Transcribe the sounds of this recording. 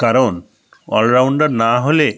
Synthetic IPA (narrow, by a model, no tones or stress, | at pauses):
kaɾon | ɔ̰lɾawɳɖaɾnaɦole